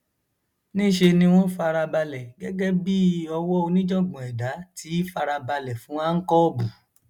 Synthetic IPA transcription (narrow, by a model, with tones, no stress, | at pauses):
nĩ˦˨ʃe˧nĩ˧w̃ɔ̃˦fa˧ɾa˧ba˧lɛ˨ɡɛ˦ɡɛ˦bi˦ɔ˧wɔ˦o˧nĩ˦d͡ʒɔ̃˦˨ɡ͡bɔ̃˨ɛ˨da˨˦tʰi˨˦fa˧ɾa˧ba˧lɛ˨fũ˨˦a˦ŋ̩˦kɔ˦bũ˨